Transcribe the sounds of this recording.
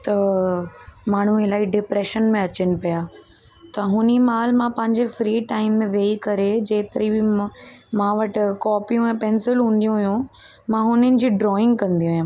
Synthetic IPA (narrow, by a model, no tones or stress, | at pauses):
t̪ɐ | maːɳ̤ũelaːiɖɪpɾeːʃənmẽɐt͡ɕɪnɪ̆pijaː | t̪ɐɦʊnimaːlmãpɐ̃ɦɪ̃ɲd͡ʑefɾiːʈaːɪmːẽʋeːikɐɾed͡ʑeːt̪ɪɾibɪmãʋɐʈkɔːpijũɛ̃ːpɛ̃ːnsɪlɦũːnd̪ijũɦʊɦjũ | mãɦʊnənɪ̆d͡ʑiːɖɾɔːɪ̃ŋɡ̚kɐ̃nd̪iũɦjũ